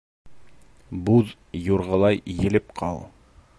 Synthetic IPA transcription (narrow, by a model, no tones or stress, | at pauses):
buð | juɾʁɤ̆lˠɑjjɘ̆lɘpqʰɑlˠ